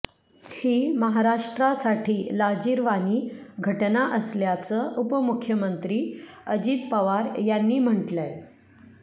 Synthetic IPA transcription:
hiːməɦaɾaʂʈɾasaʈʰiːlad͡ʑiːɾʋaniːɡʱəʈnaʔəsljat͡səʔupəmukʰːjəmənt̪ɾiːəd͡ʑiːt̪pəʋaɾjanːiːm̤əʈlaj

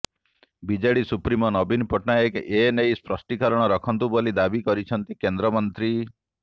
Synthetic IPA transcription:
bid͡ʒaɽisupɾimɔnɔbʱinpɔʈnaekenejspɾɔsʈikɔɾɔɽ̃ɔɾɔkʰɔnt̪ubolid̪abikɔɾit͡ʃʰɔnt̪ikend̪ɾɔmɔnt̪ɾi

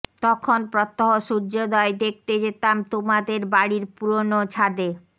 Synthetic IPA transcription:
t̪ɔkʰonpɾɔt̪ːoɦoʃuɾd͡ʑod̪ɔed̪ek̚t̪ed͡ʑet̪amt̪omad̪eɾbaɽiɾpuɾonot͡ɕʰad̪e

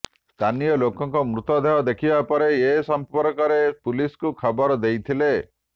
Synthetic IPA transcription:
st̪ʰanijɔlokɔŋkɔmɾut̪ɔd̪eɦɔd̪ekʰibapɔɾeesɔmpɔɾkɔɾepuliskukʰɔbɔɾɔd̪ejt̪ʰile

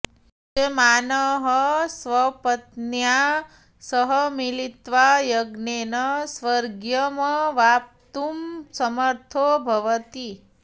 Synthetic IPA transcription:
t͡ʃemanəɦəsʋəpət̪nja | səɦəmilit̪ʋajəɡnenəsʋəɾɡjəməʋap̚t̪umsəməɾt̪ʰobʱɐʋət̪i

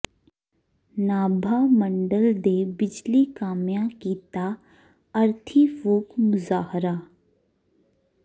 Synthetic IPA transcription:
naːbʱaːmə̃ɳɖəld̪eːbɪd͡ʒlikaːmjãkiːt̪a | ɐɾt̪ʰifuːkmʊzaːhɾa

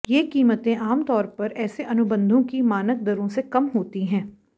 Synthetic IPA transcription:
jeːkiːmət̪ẽʔaːmt̪ɔːɾpɐɾɛːseʔɐnʊbə̃nd̪ʱõkimaːnək̚d̪ɐɾõsekɐmɦoːt̪iɦɛ̃ː

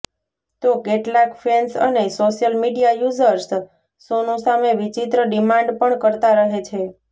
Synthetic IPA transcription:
t̪okeʈlakfensə̰nesoʃijəlmiɖijajuzəɾs | sonũsameʋit͡ʃit̪ɾəɖimãɳɖpəɳkəɾt̪aɾəɦet͡ʃʰe

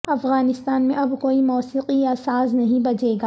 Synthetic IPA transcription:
ɐfɣaːnɪst̪aːnmẽʔɐbkoːimɔːsiːqiasaːznɐɦĩbɐd͡ʒeːɡaː

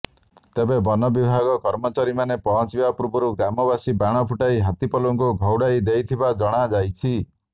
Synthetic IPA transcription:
t̪ebebɔnɔbibʱaɡɔkɔɾmɔt͡ʃaɾimanepɔɦɔt͡ʃiapɾubɔɾuɡɾamɔbasibaɽ̃ɔpʰuʈaiɦat̪ipɔluŋkuɡʱɔwɽajd̪ejt̪ʰibad͡ʒɔɽ̃ad͡ʒajt͡ʃʰi

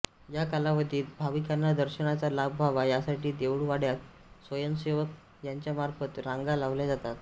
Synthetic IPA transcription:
jakalaʋəd̪ʱiːlbʱaʋikanːad̪əɾɕəɳat͡salabʱbʱaʋajasaʈiːd̪eʋɽʋaɽjat̪̚ | sʋəjənseʋək̚ | jaɲt͡ɕjamaɾfət̪ɾãŋɡalaʋljad͡zat̪at̪

